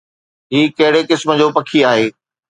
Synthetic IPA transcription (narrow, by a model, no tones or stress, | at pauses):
ɦiːkɐɦɪɽekɪsmə̆d͡ʑoːpɐkʰiaːɦeː